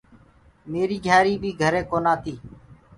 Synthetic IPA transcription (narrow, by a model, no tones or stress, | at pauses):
meːɾiːɡʱjaːɾiːbʱiːɡʱəɾeːkoːnaːt̪iː